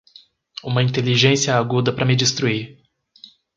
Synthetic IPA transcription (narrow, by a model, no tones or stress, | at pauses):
ũmɐĩnt̪eliʒẽsiɐaɡud̪ɐpɾɐmɪd͡ʒist̪ɾuiɾ